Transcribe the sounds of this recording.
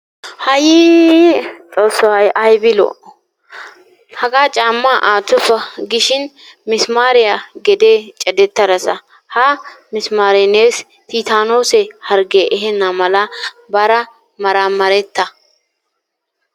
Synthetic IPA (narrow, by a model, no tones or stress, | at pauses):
hɐjɪ | t͡sʼoːsːɔhɐjʔɐjbɪlo̰ʔ | hɐɡaːt͡ʃʼaːmːaʔaːt̪ːʊfɐɡɪʃɪn | mɪsmaːɾɪjaɡɛd̪eːt͡ʃʼɛd̪ɛt̪ːɐɾɐsɐ | hamɪsmaːɾɪneːs | t̪ʰiːt̪aːnoːsɛhɐɾɡeʔɛɦɛnːamɐlɐ | bɐɾɐ | mɐɾamɐɾɛt̪ːɐ